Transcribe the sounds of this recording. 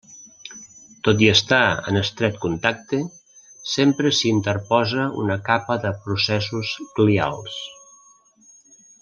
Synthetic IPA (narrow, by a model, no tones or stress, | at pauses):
t̪ot̪̬iəst̪aə̰nəst̪ɾɛt̪kunt̪ak̚t̪e | sempɾəsint̪əɾpɔzəṵnəkapəðəpɾusɛsusklia̰lˠs